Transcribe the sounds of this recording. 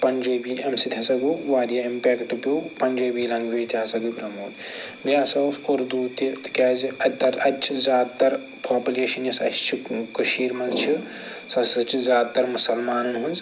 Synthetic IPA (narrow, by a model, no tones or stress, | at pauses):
pɐnʲd͡ʒeːbiːɐmsit̪ʰʲasɐɡuːʋaːɾjaːimpeːkʈpʲupɐnʲd͡ʒeːbiːlɐ̃ŋɡʋeːt̪ʲʰjaːsɐɡibɾɐmuːt̪bjaːsɐfkoɾd̪uːt̪it̪kʲaːziɐt̪ɐɾɐt͡ʃʰizʲaːd̪̚t̪ɐɾ | pʰaːpʲuleːʃɐnjɐsɐ̰t͡ʃʰt͡ʃʰikɐʃiːɾmɐnzt͡ʃʰi | sɐsɐt͡ʃʰizʲaːd̪̚t̪ɐɾmusɐlmaːnɐnɦunz